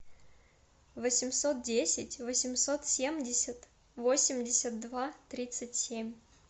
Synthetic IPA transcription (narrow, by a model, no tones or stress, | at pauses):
vəsʲɪmsot̪̚dʲesʲɪtʲvəsʲɪmso̞t̪sʲemdʲɪsʲət̪ | vosʲɪmʲdʲɪsʲət̪̚d̪vat̪ɾʲit̪sɨtʲsʲemʲ